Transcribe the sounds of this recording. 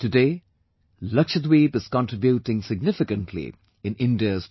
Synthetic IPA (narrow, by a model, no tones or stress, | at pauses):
tɨdeː | lʌkʃəd̪wiːbɨz̥kɔ̃ntɹ̥ɪbjutɪ̃ŋsɪɡ̚nɪfɪkə̃ntʰlḭ | ɪ̃nɪ̃ndiəz